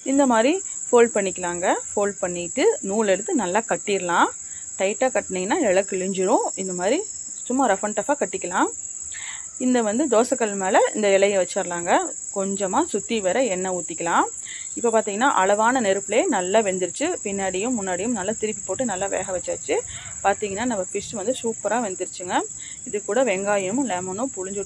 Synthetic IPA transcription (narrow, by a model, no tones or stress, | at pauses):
ɪnd̪ɐmaːd̪ɾifoːlpɐɳːɪkʲːɐlaːŋɡɐfoːlpɐɳːɪʈːɯnuːɭɛɽɯt̪ːɯnɐlːaːkɐʈːiɾɐlãː | ʈɐɪʈːaːkɐʈːɐniŋɐnːaːɛɭɐkːɯlɪɲd͡ʒɪɾʊ̃ɪnd̪ɐmaːd̪ɾi | sʊmːaːɾɛfɐɳʈɐfaːkɐʈːɪkːɐlãː | ɪnd̪ɐʋɐnd̪ɯd̪oːsɐkːɐɭmeːlɐɪ̰nd̪ɐʋɪlɐjɐʋɛt͡ʃːaɾlaːŋɡɐ | kɔɲd͡ʒɐmaːsʊt̪ːiʋɛɾɐɛnːɐuːt̪ːɪkːɐlãː | ɪpːopaːɾt̪iːŋɡɐnːa̰ːʔɐɭɐʋaːnɐnɛɾɯpːleːnɐlːaːʋɛnd̪ɪɾɯt͡ʃːɯpɪnːaːɽɪjɯmːʊnːaːɽɪjɯmnɐlːat̪ɪɾɪp̬ːipoːʈːɯnɐlːaʋḛːɣɐʋɛt͡ʃːa̰ːt͡ʃːɯ | paːɾt̪iːŋɡɐnːaːnɐmːɐfɪʂʋɐnd̪ɯsuːpɐɾaːʋɛnd̪ɪɾɯt͡ʃːɯŋɡɐ | ɪðɯkːuːɽɐʋɛŋɡaːjɯmlɛːmɐnʊ̃pʊɻʊɲd͡ʒɯ